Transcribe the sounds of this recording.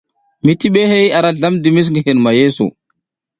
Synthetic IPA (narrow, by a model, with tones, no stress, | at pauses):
mi˦ti˦ɓe˦he˦ja˨ɾa˦ɮa˦mdi˨mi˦s̬ŋɡi˨hi˨nma˨je˦sṵ˨